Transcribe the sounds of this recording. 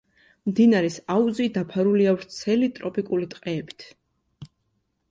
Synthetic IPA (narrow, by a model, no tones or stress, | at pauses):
md̪inaɾɛsauzid̪apʰaɾuliavɾt̪sʰɛlit̪ʼɾɔpʼikʼulit̪ʼqʼɛːbi̥t̪ʰ